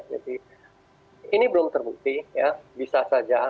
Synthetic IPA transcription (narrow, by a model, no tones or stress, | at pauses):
d͡ʒa̰di | inibəlʊmt̪ərbuk̚t̪ijabisasad͡ʒa